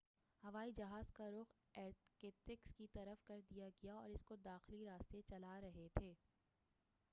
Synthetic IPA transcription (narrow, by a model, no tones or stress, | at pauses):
hɐʋaːid͡ʒɐɦaːzkaɾʊɣeːɾkeːʈɪkskit̪ɐɾəfkɐɾd̪ijaɡɐjaɔ̰ːɾɪskod̪aːxliɾaːst̪et͡ʃɐlaɾɐɦet̪ʰeː